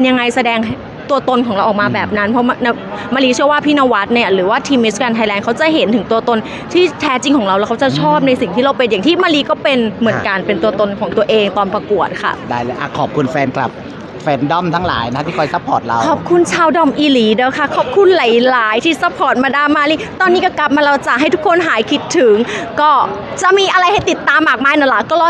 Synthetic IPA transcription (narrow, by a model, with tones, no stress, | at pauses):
pe˧nja˧ŋa˧jsa˧dɛː˧ŋ | t̪u˧t̪o˧nkʰɔː˩˦ŋɾa˧wʔɔː˨˩k̚maː˧bɛː˨˩p̚na˦˥npʰɔ˦˥ma˧na˧ | maː˧liː˧t͡ɕʰɯ˥˩ɐwaː˥˩pʰiː˥˩naː˧wa˦˥t̪̚ni˥˩ɐɾɯː˩˦waː˥˩t̪ʰiː˧mːe˦˥skaː˧nt̪ʰa˧jlɛː˧nkʰa˦˥wt͡ɕa˨˩ʔɦe˩˦nt̪ʰɯ˨˩˦ŋt̪u˧ɐt̪o˧n | t̪ʰiː˥˩t̪ʰɛː˦˥t͡ɕi˧ŋkʰɔː˩˦ŋɾa˧wlɛ˦˥kʰa˦˥wt͡ɕa˨˩t͡ɕʰɔː˥˩p̚na˧jsi˨˩ŋt̪ʰiː˥˩ɾa˧wpe˧nja˨˩ŋt̪ʰiː˥˩maː˧liː˧˥kɔː˥˩pe˧nmɯ˩˦ənka˧npe˧nt̪u˧ɐt̪o˧nkʰɔː˩˦ŋt̪u˧ɐʔeː˧ŋt̪ɔː˧npɾa˧ku˨˩ət̪̚kʰa̰˥˩ʔdaː˥˩jlɤː˧˩jʔa̰˨˩kʰɔː˨˩p̚kʰu˧nfɛː˧nkla̰˨˩p̚ | fɛː˧ndɔ˥˩mt̪ʰaː˦˥ŋla̰ː˩˦jna˦˥t̪ʰiː˥˩kʰɔ˧˩jsa˦˥pʰːɔː˨˩t̪̚ɾa̰˧wkʰɔː˨˩p̚kʰu˧nt͡ɕʰaː˧wdɔ˧˩mʔiː˧liː˩˦dɤː˧˦˩wkʰa˥˩kʰɔː˨˩p̚kʰu˧nla˨˦jlaː˩˦jt̪ʰiː˥˩sa˦˥pʰɔː˨˩t̪̚maː˧daː˧˥˩maː˧˩liː˧˥˩t̪ɔː˧nːiː˦˥kɔ˥˩kla˨˩p̚maː˧ɾa˧wt͡ɕa˨˩ʔɦa˥˩jt̪ʰu˦˥kʰo˧nɦaː˨˦jkʰi˦˥t̪ʰːɯ˨˩˦ŋkɔː˥˩ | t͡ɕa˨˩miː˧ʔa˧ɾa˧jha˥˩jt̪i˨˩t̪ːaː˧mːaː˨˩k̚maː˧˩jnɔ˧˩la˧˩kɔː˥˩lɔ˧˥